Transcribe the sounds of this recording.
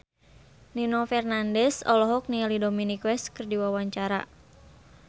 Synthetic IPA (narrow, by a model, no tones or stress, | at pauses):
ninɔfɛrnandɛsɔ̰lɔɦɔk̚nialidominikwɛskɨrdiwawaɲt͡ʃaɾa̰